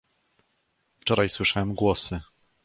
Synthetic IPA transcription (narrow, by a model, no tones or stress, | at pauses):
ft͡ʂɔɾajswɘʂawɛmɡwɔsɘ